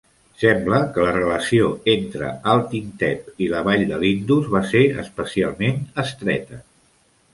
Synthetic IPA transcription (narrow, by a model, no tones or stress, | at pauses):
sɛmbləkələrələsioent̪ɾə̰alˠt̪int̪ɛpiləβaʎd̪əlind̪uzβaseə̰spəsialˠmenəst̪ɾɛ̰t̪ə